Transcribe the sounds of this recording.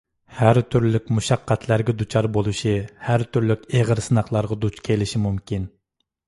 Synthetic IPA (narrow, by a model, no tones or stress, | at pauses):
hæɾt̪ʰyɾlɪkʲmuʃɑqʰːæt̪ʰlæɾɡʲɛd̪ut͡ʃʰɑɾbolˠuʃihæɾt̪ʰyɾlykʲeʁəɾsɨnɑχlˠɑɾʁɑd̪ut͡ʃkʲʰelɪʃimumkʲin